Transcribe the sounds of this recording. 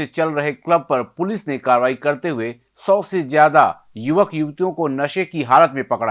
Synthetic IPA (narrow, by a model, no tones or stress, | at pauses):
et͡ʃɐlɾɐɦeklɐb̚pɐɾpʊlɪsnekaːɾʋaːikɐɾt̪eɦʊe | sɔːsezjaːd̪a | jʊʋəkjʊʋt̪ijõkonɐʃekiɦaːlət̪mẽpɐkɽa